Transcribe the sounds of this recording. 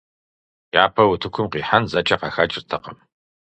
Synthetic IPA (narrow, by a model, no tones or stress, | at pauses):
jaːpʰɐwʊtʰɨkʷʰʊmqiːħanzɐt͡ʃʼɐqɑxat͡ʃʼrtʰɐqɐm